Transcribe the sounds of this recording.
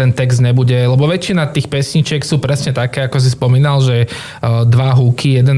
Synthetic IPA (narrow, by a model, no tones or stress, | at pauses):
ɛnt̪ɛɡzd̪ɲɛbuɟɛlɛbɔʋɛt͡ʃinat̪iːxpɛsɲit͡ʃɪɛksuːpɾɛsɲɛt̪akɛːakɔs̬ispɔmiːnalʒɛ | d̪ʋaɦukʰijɛd̪ɛn